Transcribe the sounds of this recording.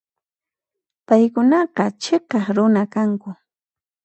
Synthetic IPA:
pajkʊnɑqɑt͡ʃeqɑχɾʊnakaŋkʊ

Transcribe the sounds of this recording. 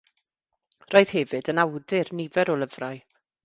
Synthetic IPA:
roːjð̥hɛvɨdənawdɪrnivɛɾɔlˠəvraj

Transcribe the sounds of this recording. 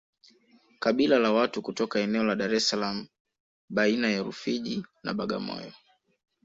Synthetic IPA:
kaɓilalawatukutɔkaɛnɛɔlaɗaɾɛsalam̩ | ɓainajaɾṵfiʄina̰ɓaɠa̰mɔ̰jɔ

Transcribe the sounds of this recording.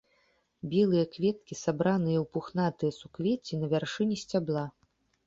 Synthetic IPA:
bʲɛlˠɨjɐkvʲɛt̪̚kʲisabɾanɨjɐwpuxnat̪ɨjɐsukvʲet͡sʲinɐvʲarʂɨnʲisʲt͡sʲablˠa

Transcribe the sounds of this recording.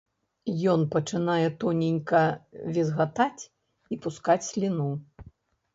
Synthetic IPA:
jɔnpɐt͡ʂɨnajɛt̪ɔnʲinʲkɐvʲizɣat̪at͡sʲ | ipuskat͡sʲsʲlʲinu

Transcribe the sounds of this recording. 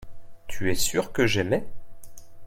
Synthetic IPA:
t̪ʰyɛsyʁkəʒɛmɛ

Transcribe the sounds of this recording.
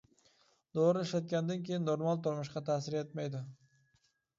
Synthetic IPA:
d̪oɾɪɪʃlat̪̚kʲand̪ankʲʰejɪnːoɾmalˠt̪ʊɾmʊʃqɑt̪ʰasɪɾet̪majd̪ɪ

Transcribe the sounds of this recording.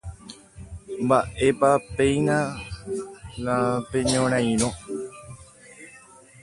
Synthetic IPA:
mbaʔe̞pape̞jnã | lapeɲõɾ̃ãj̃ɾõ

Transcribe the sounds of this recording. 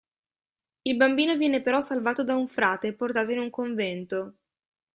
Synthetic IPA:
ilbambiːnovjɛːnepeɾɔsalvaːt̪od̪auɱfɾaːt̪eport̪aːt̪oinuŋkoɱvɛnt̪o

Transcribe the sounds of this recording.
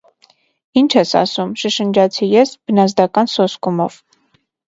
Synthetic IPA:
int͡ʃʰɛsɑ̰sumʃəʃənd͡ʒɑt͡sʰijɛsb̥ənɑzd̪ɑkɑnsɔskumɔv̥

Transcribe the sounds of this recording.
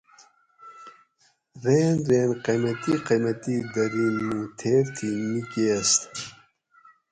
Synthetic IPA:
ɾeːnɾeːnqemɐt̪iqemɐt̪id̪ɐɾiːnmut̪ʰeːɾt̪ʰimikest̪

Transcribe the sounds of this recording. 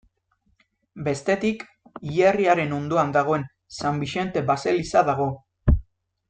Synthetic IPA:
be̞st̪e̞t̪ik | iʎeriaɾe̞no̞nd̪uand̪aɣ̞o̞e̞n | sambiʃe̞nt̪e̞base̞lisaðaɣ̞o̞

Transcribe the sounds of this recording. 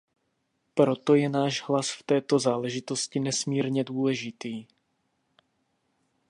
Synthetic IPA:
pɾo̞t̪o̞jɛnaːʒɦlasft̪ɛːt̪o̞zaːlɛʒɪt̪o̞scɪnɛsmiːɾɲɛduːlɛʒɪt̪iː

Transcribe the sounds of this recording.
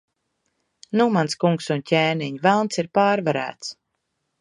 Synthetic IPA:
numanskuŋksuncʲeːniɲvælˠnt̪siɾpaːɾvaɾæ̰ːt̪s

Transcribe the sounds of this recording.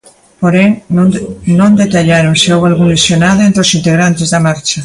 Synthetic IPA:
poɾeŋ | nõnd̪et̪aʎaɾoŋseoβalɣunlesjonaðoẽnt̪ɾosint̪eɣ̞ɾant̪ezðɐmaɾt͡ʃa

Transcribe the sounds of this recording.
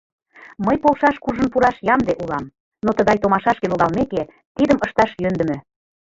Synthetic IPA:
məjpolˠʃɑʃkuʒə̆npuɾɑʃjɑmd̪eʔulɑm | not̪ə̆ɣɑjt̪omɑʃɑʃkeloɣɑlmeke | t̪id̪əməʃt̪ɑʃjønd̪ə̆mø̆

